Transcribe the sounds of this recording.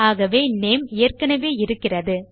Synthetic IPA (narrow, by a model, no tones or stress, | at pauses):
aːɣɐʋeːneːmɪjɐrkɐnɐʋeːɪɾɯkːɪrɐðɯ